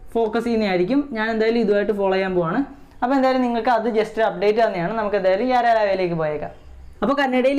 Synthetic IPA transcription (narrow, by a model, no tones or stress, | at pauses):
fo̞ːkɐsikʲːunːɐjaːjiɾikʲːumɲaːne̞nd̪aːjilumiðuʋaːjiʈːɨfoːɭɐjaːmboːaːɳɨ | ɐpːoend̪aːjilumniŋːɐɭkɨɐðɨd͡ʑestɐp̚ɖe̞ːʈːɨtɐnːijaːɳɨnɐmukːend̪aːjilumaːɾejaːɾaːʋejleːk̬ːɨpoːjeːɣɐ̰ | ɐpːoːkɐnːɐɽejil